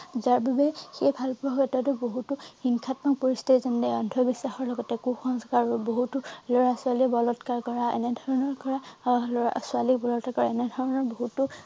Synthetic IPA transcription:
zaɹbabɛxejbʱalpʊɹɦkɛtatʊboɦutʊxiŋkʰatmakpɔɹist̪ʰitizɔndɛɔndʱɔbisːaxɔɹlɔɡɔtɛkuxɔŋskaɹɹuboɦutulɔɹasʊalibɔlɔtkaɹkɔɹaɛ̰nɛdʱɔɹɔnɔɹkɔɹalɔasʊalikbɔlɔtkakɔɹaɛnɛdʱɔɹɔnɔɹboɦutʊ

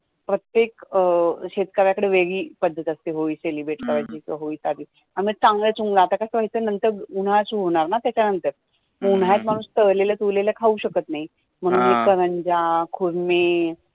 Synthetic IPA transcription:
pɾət̪jek | ɕet̪kəɾjakəɽeʋeɡiːpəd̪ʱːət̪əst̪eɦoiselibeʈkəʋad͡ʑikəɦoiːsad̪iː | aimət͡saŋɡɭət͡suŋɡlaːt̪akasəʋajit͡sənənt̪əɾuɽ̤asuɦoɳ̃aɾnat̪jat͡ɕanənt̪əɾ | məun̤ɦajat͡s̪m̤aɽ̃uːst̪əɭlelət̪ulelakʰauɕəkət̪naɦi | m̤əɽ̃ũːnikəɾəɲd͡ʑakʰuɾme

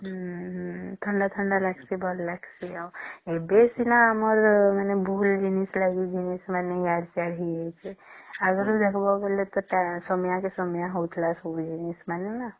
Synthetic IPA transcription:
ɦ | t̪ʰəɳɖat̪ʰəɳɖalakʰsibəllakʰsiaebesinaəməɾmanebʱuld͡ʒinislaɡid͡ʒinesmaneɡaɽsaɽɦiɦet͡ʃʰeəɡəɾud̪ekʰbabelet̪ɔʈasɔmjãkesɔmjãɦot̪ʰlasod͡ʒinesmanena

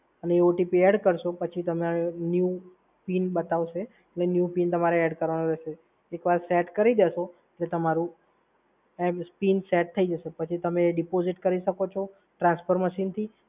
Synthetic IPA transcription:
əneoʈipiɛɖkəɾʃopət͡ʃʰit̪əmenju | pinbət̪aʋʃeː | ʈlenjupint̪əmaɾeɛɖkəɾʋanõɾɛʃe | ekʋaɾsɛʈkəɾid̪eʃo | eʈlet̪əmaɾũ | ɛbspinsɛʈ̚t̪ʰəid͡ʒəʃepət͡ʃʰit̪əmeɖipoziʈkəɾiʃəkot͡ʃʰo | ʈɾãnspʰəɾməʃint̪ʰi

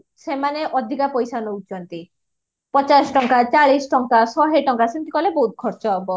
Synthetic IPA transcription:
semaneʔɔd̪ʱikapɔjsanɔut͡ʃɔnt̪i | pɔt͡ʃasʈɔŋkat͡ʃaɭisʈɔŋkasɔɦeʈɔŋkasint̪ikɔlebɔɦut̪̚kʰɔɾt͡ʃɔbɔ

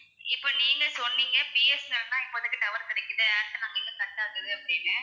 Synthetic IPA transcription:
ɪpːoːniːŋɡɐsɔnːiːŋɡɐpiɛsnɐɾɐnd̪ãːɪpːoɐðɯkːɪʈɐʋɐɾk̪ɪɽɛkːɪɾɐɐɽt̪ːɯnaːŋɡɐɪlːɐ̃t̪ɐʈːaːɣɯðɯɐpːɐɽɪnːɐ

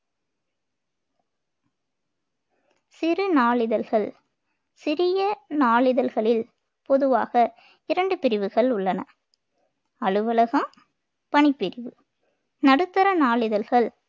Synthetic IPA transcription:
sɪrɯnaːɭɪðɐlɣɐɭ | sɪɾɪjɐnaːɭɪðɐlɣɐɭɪl | pɔðɯʋaːɣɐ | ɪɾɐɳɖɯpɪɾɪʋɯɣɐɭʊɭːɐnɐ | ɐɭɯʋɐlɐɣɐm | pɐɳɪpːɪɾɪʋɯ | nɐɽɯt̪ːɐɾɐnaːɭɪðɐlɣɐɭ

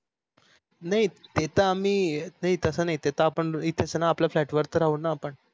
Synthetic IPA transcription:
naɦit̪et̪aːm̤iːnait̪əsənaɦit̪et̪aːpəɳit̪ʰet͡sənaːplaflæʈʋəɾt̪əɾaɦunaːpəɳ

